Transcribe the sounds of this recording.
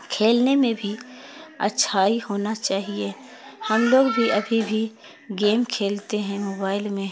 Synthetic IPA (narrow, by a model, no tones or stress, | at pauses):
kʰeːlnemẽbʱiɐ̰tːʃʰaːɦihoːnat͡ʃaːɦie | hɐmloːɡbʱiʔɐbʱibʱi | ɡeːmkʰeːlt̪eɦɛ̃moːbaːɪlmẽ